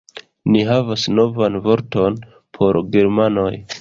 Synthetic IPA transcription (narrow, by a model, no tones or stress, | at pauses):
niɦavasno̞vanvo̞ɾto̞n | pʰo̞ɾɡeɾmano̞j